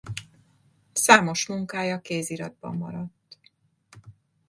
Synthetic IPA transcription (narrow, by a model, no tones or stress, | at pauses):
saːmo̞ʃmuŋkaːjɒkeːziɾɒd̪̚bɒ̰mːɒ̰ɾɒt̪ː